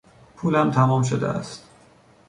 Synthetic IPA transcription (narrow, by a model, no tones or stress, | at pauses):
pʰuːlæmt̪ʰæmɒːmʃod̪ḛʔæ̰st̪